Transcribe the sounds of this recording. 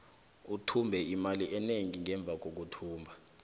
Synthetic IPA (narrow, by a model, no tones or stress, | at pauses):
utʰumbʱɛimaliʔɛneŋiŋɛɱb̪vʱak̬ok̬utʰuːmbʱa